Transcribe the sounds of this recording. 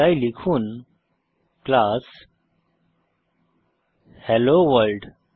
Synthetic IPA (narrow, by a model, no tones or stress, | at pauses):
ajlikʰuːn | klas | hɛloʋəɾlɖ